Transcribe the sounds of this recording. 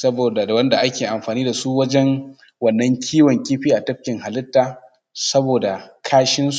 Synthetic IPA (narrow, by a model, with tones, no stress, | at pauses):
sɐ˦boː˨da˨wɐ˦nda˨ʔa˦kʲeː˨ʔa˨mɸaː˨niː˦da˨su˦wɐ˦d͡ʒɛ˦ŋ | wɐ˨nːɐ˦ŋkʲʰiː˦wɔ˨ŋkʲiː˦ɸiː˦ʔa˨tɐ˦ɸ̚kʲɪ˨ŋha˨lɪ˦tːaː˨ | sɐ˦boː˨da˨kʰaː˦ʃɪ˦ns